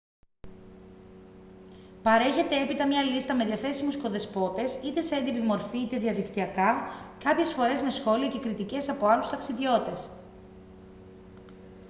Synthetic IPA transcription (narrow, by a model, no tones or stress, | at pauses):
pɐɾe̞çe̞t̪e̞epit̪ɐmɲɐlist̪ɐme̞ðiɐθe̞simusko̞ðe̞spo̞t̪e̞sit̪e̞seend̪ipimo̞ɾfiit̪e̞ðiɐðikt̪iɐkɐkɐpçe̞sfo̞ɾe̞zme̞sxo̞liɐce̞kɾit̪ice̞sɐpoɐlust̪ɐksiðʝo̞t̪e̞s